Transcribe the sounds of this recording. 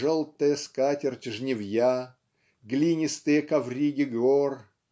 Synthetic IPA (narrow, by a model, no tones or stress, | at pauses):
ʐolˠt̪əjəskatʲɪrt͡ɕʲɪʐnʲɪvja | ɡlʲinʲɪst̪ɨjəkɐvrʲiɡʲɪɡor